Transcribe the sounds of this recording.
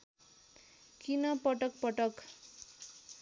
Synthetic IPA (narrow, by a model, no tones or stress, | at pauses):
kinʌpʌʈʌk̚pʌʈʌk